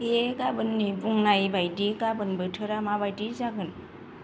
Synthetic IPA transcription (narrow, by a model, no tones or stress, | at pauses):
eɡabɯnːibuŋnajbajdiɡabɯnbɯtʰɯɾamaβajdizaɡɯn